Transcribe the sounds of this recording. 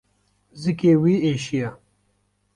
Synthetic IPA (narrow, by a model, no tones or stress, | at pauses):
zikeːwiːeːɕija